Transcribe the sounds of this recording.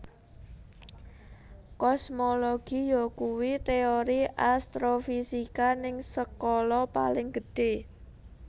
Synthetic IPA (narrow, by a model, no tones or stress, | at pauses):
kɔsmoloɡ̥ijɔkuwit̪eoɾiʔast̪ɾofisikanɪŋsəkɔlɔpa̰lɪŋɡ̥ə̤ɖ̥e̤